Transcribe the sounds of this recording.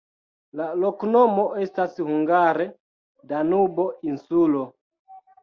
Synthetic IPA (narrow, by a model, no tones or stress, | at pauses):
laloknomoestashuŋɡaɾe | danubo̞insulo